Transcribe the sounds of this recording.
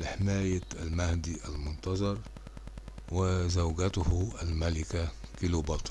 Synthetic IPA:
ħɪmæːjaælmæhd̪iʔælmʊnt̪ɑzˤɑɾˤ | wɪzawɡæt̪ʊhælmælɪkækɪlubɑt̪ˤ

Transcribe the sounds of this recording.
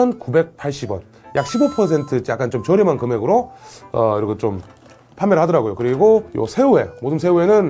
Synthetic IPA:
ʌnkube̞k̚pʰaɭɕ͈ibwʌ̰n | jʔak̚ɕʰibopʰʌs̬ʰe̞ntʰɯt͡ɕ͈iak͈ant͡ɕomt͡ɕʌɾimankɯme̞ɡɯɾoʌiɾʌkʰet͡ɕom | pʰanmjʌɾɭhadʌɾaɡojokɯɾiɡojo̰sʰe̞ue̞modɯnsʰeue̞nɯn

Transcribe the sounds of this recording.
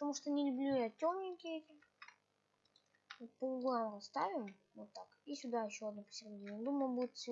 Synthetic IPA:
pət̪ɐmuʂt̪onʲɪlʲʊblʲujaɐtʲːomnʲɪkʲɪetʲɪ | vot̪̚pəɡˠʊɡoamrɐst̪avʲɪm | vot̪ːakisʲʊd̪aɪɕːoɐd̪nopə̥sʲɪrʲdʲiond̪uməjəbuɪt̪fsʲ

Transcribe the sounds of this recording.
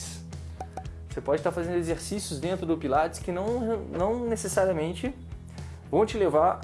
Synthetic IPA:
s | osepɔd͡ʒɪst̪aɾfazẽnd̪ʊezeɾsisjʊzd̪ẽnt̪ɾʊd̪ʊpilat͡ʃɪ̥skɪnɐ̃w̃nɐ̃w̃nesesaɾiɐmẽnt͡ʃɪ | vɐ̃w̃t͡ʃɪleva

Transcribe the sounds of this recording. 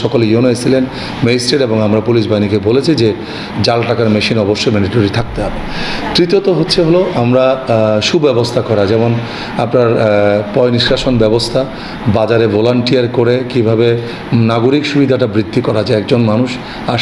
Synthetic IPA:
ɔkolejonoet͡ɕʰilen | meisʈeɖeboŋamɾapuliʃbainikebolet͡ɕʰid͡ʑe | d͡ʑalʈakaɾmeʃinɔboʃːomɛniʈoɾit̪ʰak̚t̪eɦɔbe | t̪ɾit̪ot̪oɦotːɕʰeɦoloʔamɾaʃubɛbost̪ʰakɔɾad͡ʑɛmon | apnaɾpɔjniʃɾaʃonbɛbost̪ʰa | bad͡ʑaɾevolaɳʈijaɾkoɾekibʱabe | naɡoɾikʃubid̪ʱaʈabɾid̪ʱːikɔɾad͡ʑaɛkd͡ʑonmanuʃ | a

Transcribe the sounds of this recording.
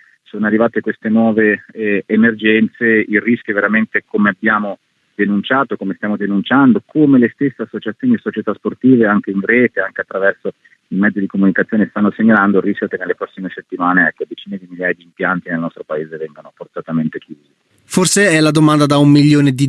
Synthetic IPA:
soːnoarːivaːt̪ekwest̪enwɔːveːmerd͡ʒɛnt̪seiriskʲjoveɾament̪ekomeabjaːmo | d̪̥enunt͡ʃaːt̪okomest̪jaːmod̪enunt͡ʃand̪okʰomelest̪esːeasːot͡ʃat̪sjoːniisot͡ʃet̪asport̪iːveaŋk̟einrɛːt̪eaŋkeat̪ːɾavɛrso | imɛd̪zid̪ikomunikat̪sːjoːnest̪anːoseɲːaland̪orːiskʲjokenːelːepɾɔsːimeset̪ːimaːneɛkːed̪et͡ʃiːned̪imiljaːjad̪iːmpjant̪inelnɔst̪ɾopaeːzevɛŋɡanoport̪at̪ament̪ekjuːzzi | forseɛlad̪omand̪ad̪aumːiljoːned̪i

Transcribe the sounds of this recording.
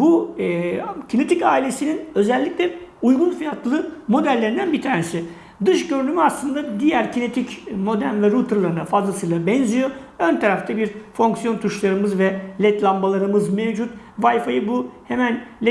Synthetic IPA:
bu | cʰine̞t̪ʰicaːilʲe̞sininø̞zɛlʲːiclʲɛujɡunfijat̪ʰlˠɯmo̞d̪ælʲːe̞ɾind̪ænbit̪ʰaːnesɪ | d̪ɯʃɟø̞ɾynymyaslˠɯnd̪ad̪ijæɾcʰine̞t̪ʰicmo̞d̪ænvɛɾut̪ʰɯɾlˠaɾɯnafazlˠasɯjlˠabɛnzijo̞ | ønt̪ʰaɾaft̪ʰabiɾfo̞ŋksijo̞nt̪ʰuʃlˠaɾɯmɯzvɛlʲɛt̪lʲˠambalˠaɾɯmɯzmɛvd͡ʒut̪vajfajɯbuhemænlʲɛ

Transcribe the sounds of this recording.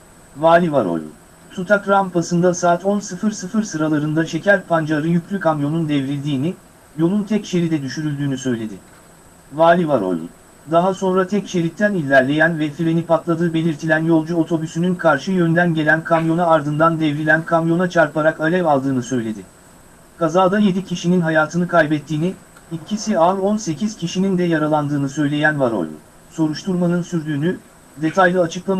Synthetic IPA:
vaːlʲivaɾo̰lṵ | sut̪ʰakɾampʰasɯnd̪asaːt̪ʰo̞nsɯfɯɾsɯfɯɾsɯɾalˠaɾɯnd̪aʃe̞cʰæɾʲpʰand͡ʒaɾɯjycʰlʲykʰamjo̞nund̪ɛvɾilʲd̪iːni | jo̞lˠunt̪ʰɛcʃe̞ɾid̪ɛd̪yʃyɾylʲd̪yːnysø̞jlʲe̞d̪ɪ | vaːlʲivaɾo̞̰l̰ | d̪aɦaso̞nɾat̪ʰɛcʃe̞ɾic̚t̪ʰænilʲːæɾlʲe̞jænvɛfiɾe̞nipʰat̪lˠad̪ɯːbe̞lʲiɾt̪ʰilʲænjo̞lˠd͡ʒuo̞t̪ʰo̞bysynynkʰaɾʃɯjønd̪ænɟe̞lʲænkʰamjo̞naːɾd̪ɯnd̪and̪ɛvɾilʲænkʰamjo̞nat͡ʃʰaɾpaɾakalʲɛvalˠd̪ɯːnɯsø̞jlʲe̞d̪ɪ | kʰazaːd̪aje̞d̪icʰiʃininɦajaːt̪ʰɯnɯkʰajbɛt̪ʰːiːni | icʰisialˠo̞nse̞cʰiz̥cʰiʃinind̪ɛjaɾalˠand̪ɯːnɯsø̞jlʲe̞jænvaɾo̞̰l̰ʲ | so̞ɾuʃt̪ʰuɾmanɯnsyɾd̪yːny | d̪e̞t̪ʰajlˠɯat͡ʃʰɯklˠam

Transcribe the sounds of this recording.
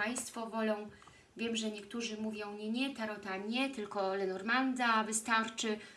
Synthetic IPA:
aj̃st̪fɔvɔlɔ̃w̃ | vʲjɛmʐɛɲɛkt̪uʐɘmuvʲjɔ̃w̃ɲɛɲɛt̪aɾɔt̪aɲɛt̪ɘlkɔlɛnɔɾmand̪avɘst̪aɾt͡ʂɘ

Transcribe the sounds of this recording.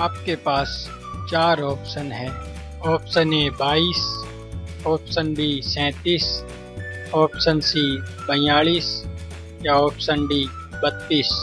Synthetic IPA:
aːpkepaːs | t͡ʃaːɾɔːpsənɦɛ̃ː | ɔːpsənɛ̃baːiːs | ɔːpsənbʱisɛ̃ːt̪iːs | ɔːpsənsi | bɐ̃jaːliːs | jaɔːpsənbʱi | bət̪ːiːs

